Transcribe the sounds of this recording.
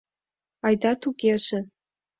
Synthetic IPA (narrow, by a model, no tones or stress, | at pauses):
ɑjd̪ɑt̪uɣeʒĕ